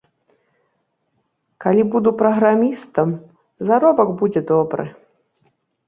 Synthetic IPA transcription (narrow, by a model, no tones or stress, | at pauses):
kalʲibud̪upɾɐɣɾamʲist̪ɐm | zaɾɔbɐɡbud͡zʲɛd̪ɔbɾɨ̰